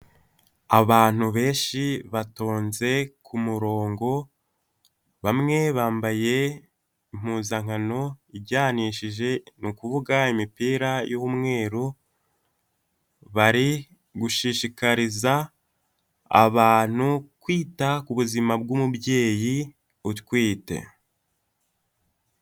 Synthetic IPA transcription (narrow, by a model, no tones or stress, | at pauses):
aβaːn̥huβe̞ːnʃiβatoːnze̞kʰumuɾo̞ːŋɡo̞ | βamŋe̞βaːmbaje̞ | im̥huːzaŋ̥ano̞ibɟaːniːʃiʒe̞nukuvuɡaimipiːɾajowumŋe̞ːɾu | βaɾi | ɡuʃiʃikaɾiza | βaːn̥ukwiːtakuβuzimab̚ɡumubje̞ːji | utkwiːte̞̰